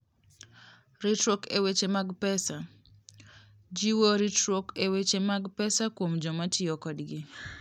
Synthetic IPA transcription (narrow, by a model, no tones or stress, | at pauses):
ɾitɾokewet͡ʃemaɡpɛsa | d͡ʒiwoɾitɾokewet͡ʃemaɡpɛsakwomd͡ʒɔmat͡ʃɪjɔkɔdɡɪ